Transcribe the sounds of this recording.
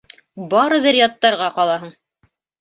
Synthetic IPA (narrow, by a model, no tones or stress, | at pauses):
bɑɾɤβɘɾjɑt̪ːɑɾʁɑqɑlˠɑɦɤɴ